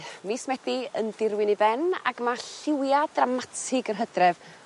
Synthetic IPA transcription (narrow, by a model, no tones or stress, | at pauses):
mismɛdiəndɪrwɪnibɛna̰ɡmaɬɪwjadramatʰɪɡərɦədrɛv